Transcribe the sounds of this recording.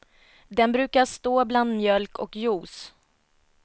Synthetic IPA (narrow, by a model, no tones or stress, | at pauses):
d̪ɛnbɾʉ̟ːkaʂt̪oːbland̪mjœlkʰɔkjuːs